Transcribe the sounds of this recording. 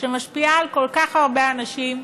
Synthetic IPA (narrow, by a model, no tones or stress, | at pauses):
ʃemaʃpiaːlko̞lkaχaʁbeanaʃim